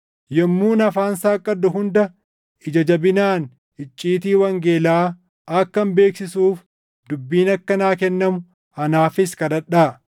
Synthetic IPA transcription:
jɛmːuːnɐfaːnsaːkʼːɐd̪ʊɦʊnd̪ɐ | ʔɪd͡ʒɐd͡ʒɐbɪnaːn | ɪt͡ʃʼːiːt̪̬iːwɐŋɡeːlaː | ɐkːɐmbeːksɪsuːf | d̪ʊbːiːnɐkːɐnaːkɛnːɐmʊ | ɐnaːfɪskɐd̪ɐᶑːaː

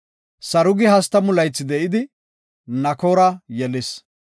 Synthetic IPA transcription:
sɐɾʊɡɪɦɐst̪ːɐmʊlɐjt͡sːɪd̪ɛʔɪd̪ɪ | nɐkoːɾɐjɛlɪs

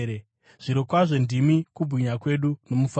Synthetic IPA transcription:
ɾe | ʐ̥iɾokwaʐe̞ndimikubʱiɲakwe̞ɗuno̞muf

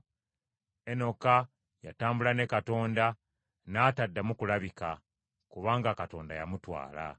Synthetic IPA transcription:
eno̞ka | ja̰taːmbulane̞kato̞ːnda | naːtadːamukulaβika | kuβaːŋɡakato̞̰ːnda̰jamutwa̰ːla̰

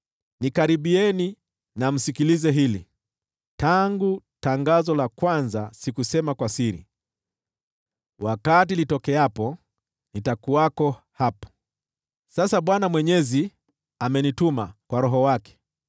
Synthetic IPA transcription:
nikaɾiɓiɛni | nam̩sikilizɛɦilḭ | taŋɡutaŋɡazɔlakwanzasikusɛmakwasiɾḭ | wakat̬ilitɔkɛapɔ | nitakuakɔ | hapḁ | sasaɓwanamwɛɲɛzi | amɛnitumakwaɾɔɦɔwakɛ̥

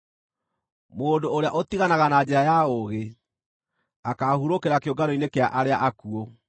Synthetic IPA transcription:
moːndoːɾea̰ʔot̪iɣanaɣanaːɲd͡ʑɛɾajaoɣe | akahuɾokeɾakejoŋɡaɾoinekeaʔaɾeaʔakuo

